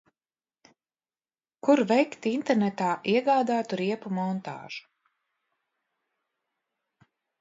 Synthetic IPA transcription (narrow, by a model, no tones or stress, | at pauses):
kuɾvɛjkt̪int̪ɛɾnɛt̪aːʔiɛɡaːd̪aːt̪uɾiɛpumɔnt̪a̰ːʒ̥u̥